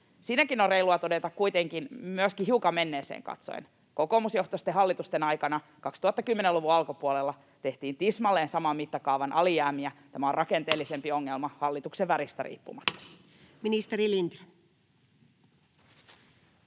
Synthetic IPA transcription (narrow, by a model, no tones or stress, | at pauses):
siːnækinoreiluɑt̪o̞de̞t̪ɑkkujt̪eŋkinmyøskiɦiukɑme̞nːe̞ːsḛːŋkɑ̰t̪so̰en | ko̞komusjo̞ht̪ost̪eɦɑlːit̪ust̪enɑjkɑnɑ | kɑkst̪uhɑt̪ːɑkymːeneluʋuɑlkopuolelːɑ | t̪e̞ht̪iːnt̪ismɑlːeːnsɑmɑmmːit̪ːɑkɑuʋɑnʔɑlijæːmiæt̪æmæorɑke̞nt̪e̞ːlːise̞mpio̞ŋːelmɑhɑlːit̪ukseʋʋæɾist̪æ̰ɾḭːpːṵmɑt̪ːɑ̥ | minist̪eɾilint̪